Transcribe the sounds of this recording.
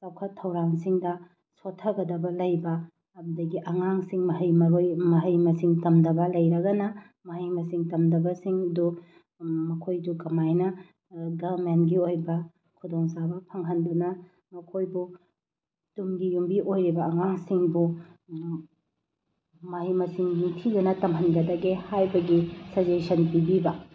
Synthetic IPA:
sawkʰɐtʰːɐwɾaŋsiŋdɐ | sotʰːɐɡɐdɐbɐlɐjbɐː | bɐdɐɡiʔɐŋaŋsiŋmɐɦɐjmɐɾojmɐɦɐjmɐsiŋtɐmdɐbɐlɐjɾɐɡɐnɐ | mɐɦɐjmɐsiŋtɐmdɐbɐsiŋdu | mɐkʰojdukɐmajnɐ | ɡɐbmentɡiojbɐ | kʰudoŋsabɐpʰɐŋɦɐndunɐ | mɐkʰojbu | tumɡijumbiʔojɾibɐɐŋaŋsiŋbu | mɐɦijmɐsiŋitʰidunɐtɐmɦɐnɡɐdɐɡehajbɐɡisɐd͡ʒesɐnpibibɐ

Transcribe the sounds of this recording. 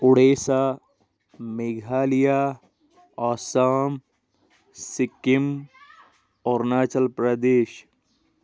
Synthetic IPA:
ʊɽeːsaː | meɡʱaːlija | aːsaːm | sɪkɪm | ɔːɾnaːt͡ʃəlpɾɐd̪eːʃ

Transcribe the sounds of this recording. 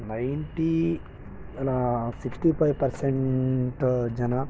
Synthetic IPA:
najnʈi | lasiksʈipʰajʋpɐɾseɳʈd͡ʒɐna

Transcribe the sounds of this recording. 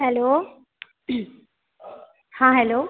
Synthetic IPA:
ɦɛloː | hãːɦɛloː

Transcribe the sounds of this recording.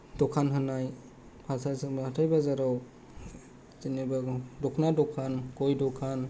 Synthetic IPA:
dɔkʰanɦɯnaj | pʰasʰazɯŋbahatʰajbazaɾaw | zinibadɔkʰnadɔkʰankojdɔkʰan

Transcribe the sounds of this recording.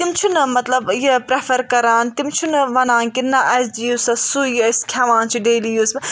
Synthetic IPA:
t̪imt͡ʃʰunmɐt̪lɐbjepɾefʰɐɾkɐɾaːnt̪imt͡ʃʰunʋɐnãːnkinːɐʔɐsd̪ijuːsɐsujiskʲʰaʋãːnt͡ʃʰiɖeːlijuːsbʲ

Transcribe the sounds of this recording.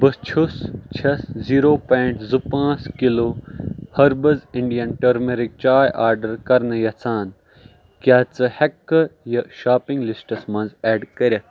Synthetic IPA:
bɐst͡ʃʰust͡ʃʰɐsziːɾoːpẽːɳʈzupãːt͡skilohɐɾbɐziɳɖijɐnʈɐɾmeɾik̚t͡ʃaːjʔaːɾɖɐɾkɐɾnɐjɐt͡sʰaːn | kjaːt͡sɨhɐkːɐjɐʃaːpiŋɡlisʈɐsmɐ̃nzɛːɖkɐɾʲɐ

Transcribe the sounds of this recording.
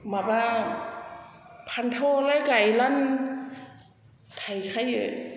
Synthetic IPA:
mabaː | pʰant̪ʰoːlakajlan | t̪ʰajkʰajɯ

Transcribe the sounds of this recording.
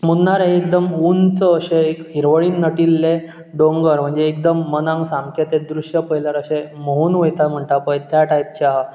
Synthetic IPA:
munnaɾeɦẽekd̪əmunt͡səːɕeekɦiɾʋəɭiːnːəʈilːe | ɖõŋɡəɾm̤əɳd͡zeːk̚d̪əmːənãŋɡsaŋkʰet̪ed̪ɾuʂjəpəɦjləɾəɕẽmoɦuːnʋəjt̪am̤əɳʈ̪apəjt̪jaʈajp̚t͡ɕaɦa

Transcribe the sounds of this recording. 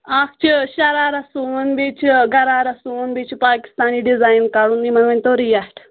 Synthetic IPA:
ak̚ʰt͡ʃiɕɐɾaːɾɐsunbet͡ɕɡɐɾaːɾɐsunbet͡ʃpaːki̥st̪aːniːɖid͡zaːjnkaɽuːnmimɐʋenʲt̪oɾijasʈ

